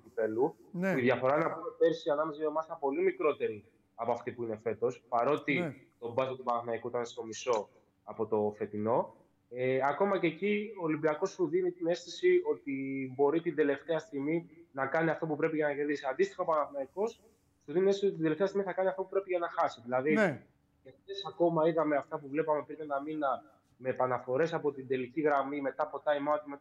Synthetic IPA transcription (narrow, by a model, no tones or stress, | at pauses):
upit̪e̞luuiðʝɐfo̞ɾɐnɐbumepe̞ɾsiɐnɐmezomɐst̪ɐpo̞limikɾo̞t̪e̞ɾi | ɐpoɐft̪ipuine̞fe̞t̪o̞spɐɾo̞t̪i | t̪o̞bɐsot̪upɐnɐθnɐikuit̪ɐnest̪o̞miso̞ | ɐpo̞t̪o̞fe̞t̪ino̞ | eɐko̞mɐce̞ːcioːlimbiɐko̞ssuðinit̪ine̞st̪isio̞t̪ibo̞ɾit̪ind̪e̞le̞ft̪e̞ɐst̪iɣminɐkɐniɐft̪o̞pupɾe̞piʝɐnɐʝe̞ɾðisiɐnd̪ist̪i̥xɐopɐnɐfɐiko̞s | t̪uðiniest̪indeleft̪eɐst̪imiθɐkɐniɐft̪o̞pupɾe̞piʝɐnɐxɐsiðilɐði | eft̪esɐko̞mɐiɣɐme̞ɐft̪ɐpuvle̞pɐmepɾinenɐminɐ | me̞pɐnɐfo̞ɾe̞sɐpo̞t̪ind̪e̞liciɣɾɐmime̞t̪ɐpo̞t̪ɐimɐt̪imet̪ɐ